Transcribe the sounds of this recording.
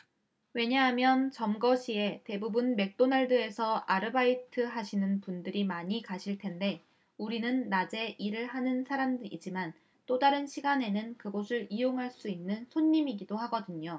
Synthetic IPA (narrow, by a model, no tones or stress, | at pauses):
we̞ɲaɦamjʌnt͡ɕʌmɡʌɕʰie̞te̞bubunme̞k̚t͈onaɭdɯe̞sʰʌaɾɯbaitʰɯɦaɕʰinɯnpundɯɾimaɲikaɕʰiɭtʰe̞nde̞ | uɾinɯnːad͡ʑe̞ʔiɾɯɭhanɯnsʰaɾamdɯɾḭd͡ʑiman | t͈odaɾɯnɕʰiɡane̞nɯnkɯɡosʰɯɾijoŋɦaɭs͈uinːɯnsʰoɲːimiɡidohaɡʌdɯɲo